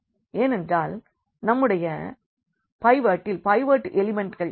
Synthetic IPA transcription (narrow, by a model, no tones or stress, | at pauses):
eːnɛndraːl | nɐmːɯɽɐjɐ | pɐɪʋaːʈːɪlpɐɪʋaːʈːɯʔɛlɪmɛɳʈɣɐɭ